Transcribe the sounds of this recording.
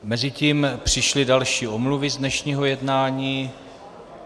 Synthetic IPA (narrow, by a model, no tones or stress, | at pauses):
mɛzɪciːmpr̝̥ɪʃlɪdalʃiːʔomluvɪzdnɛʃɲiːɦo̞jɛdnaːɲiː